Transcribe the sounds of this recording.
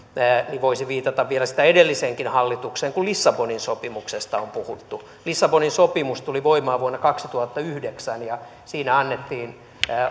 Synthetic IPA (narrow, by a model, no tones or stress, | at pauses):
əːniʋoisiʋiːt̪ɑt̪ɑʋʋielæsi̥t̪æedelːiseŋkinhɑlːit̪ukseːŋkulisːɑboninsopimuksest̪ɑompuhut̪ːu | lisːɑboninsopimust̪uliʋoimɑːʋuonːɑkɑksit̪uhɑt̪ːɑyhdeksænjɑ | siːnæɑnːet̪ːiːnː